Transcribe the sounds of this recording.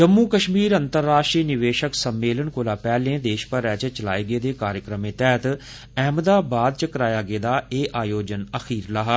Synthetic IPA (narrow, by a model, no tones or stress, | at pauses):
d͡ʒəmːuːkəʃmiːɾənt̪əɾːaːʃʈɾiːnɪʋeːʃəksəmːeːlənkoːlaːpɛːlẽːd̪eːʃpəɾɛːt͡ʃət͡ʃəlaːiːɡeːd̪eːkaːɾjəkɾəmẽːt̪ɛːt̪ | ɛːmd̪aːbaːd̪̚t͡ʃəkəɾaːjaːɡeːd̪aːeːʔaːjoːd͡ʒənəxiːɾlaːɦa